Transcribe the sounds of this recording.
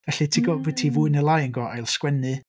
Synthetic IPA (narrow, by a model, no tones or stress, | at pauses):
ɡ̥ɛɬɨtʰɪɡɔvɨtʰivuɨnəlˠajəŋɡɔajlˠskwɛnɨ